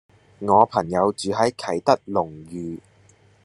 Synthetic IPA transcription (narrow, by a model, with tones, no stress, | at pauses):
ŋɔː˨˧pʰɐ˨˩ŋjɐ˨˧wt͡ʃyː˨˧ɦɐ˨˥jkʰɐ˨˩jt̪ɐ˥k̚lʊ˨˩ŋjyː˨˧